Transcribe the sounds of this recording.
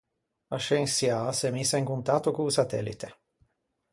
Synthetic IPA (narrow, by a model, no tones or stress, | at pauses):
aʃeŋsjasemisːaiŋkunt̪at̪ːokuusat̪ɛlːḭt̪e